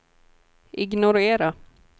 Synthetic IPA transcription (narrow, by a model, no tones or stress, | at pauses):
ʔɪɡnʊɾeːɾa